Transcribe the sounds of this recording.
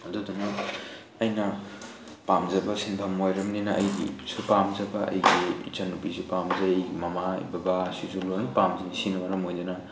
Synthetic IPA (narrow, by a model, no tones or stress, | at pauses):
ɐduduna | ɐjnɐ | pamzɐbɐsinpʰɐmojɾɐmninɐʔɐ̰jɡḭsupamzɐbɐʔɐ̰jɡit͡ʃɐnupisipamzɐjjmɐmaḭbɐbasisulonpamzinisinwaɾɐmojdanɐ